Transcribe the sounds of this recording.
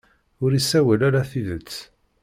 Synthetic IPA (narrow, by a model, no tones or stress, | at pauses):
ʊɾisːæwəlaɾaθiðət͡sː